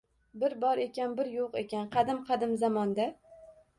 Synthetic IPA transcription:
bɪɾbɒɾe̞kʲanbɪɾjoqe̞kʲanqʰɑd̪ɪmqʰɑd̪ɪmzamɒnd̪a

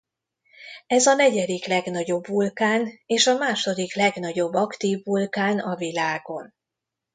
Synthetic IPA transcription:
ɛzɒnɛɟɛd̪iklɛɡn̪ɒɟo̞bːulkaːneːʃɒmaːʃo̞d̪iklɛɡnɒɟo̞bːɒkt̪iːvːulkaːnɒvilaːɡo̞n

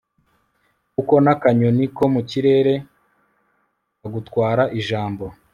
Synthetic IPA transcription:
kuko̞nakaɲoniko̞muciɾe̞ːɾe̞ | aɡutkwaːɾaʔiʒaːmbo̞

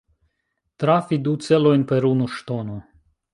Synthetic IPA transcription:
t̪ɾafid̪ut̪sɛlɔjnpɛɾunuʃt̪ɔnɔ

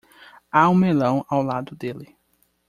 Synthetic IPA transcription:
aũmelɐ̃w̃awlad̪ʊd̪elɪ

